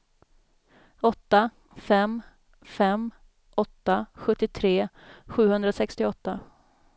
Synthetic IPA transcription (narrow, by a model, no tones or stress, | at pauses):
ɔt̪ːa | fɛm | fɛm | ɔt̪ːaɧɵt̪ːɪt̪ʰɾeː | ɧʉ̟ːhɵnd̪ɾasɛkst̪ɪɔt̪ːa